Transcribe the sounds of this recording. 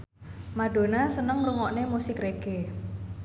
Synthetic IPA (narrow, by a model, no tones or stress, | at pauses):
maɖ̥o̤nasənəŋɾuŋɔʔnemusɪkreɡ̥e